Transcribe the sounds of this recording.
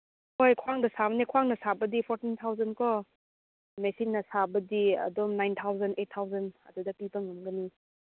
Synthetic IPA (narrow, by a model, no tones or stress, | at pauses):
hojkʰwaŋdɐsabɐnekʰwaŋnɐsabɐdipʰɔɾtint̪ʰawzɐnkʰɔ | mesinːɐsabɐdiɐ̰dɔmnajnt̪ʰawzɐndet̚tʰːawzɐnɐ̰dudɐpibɐŋːɐmɡɐni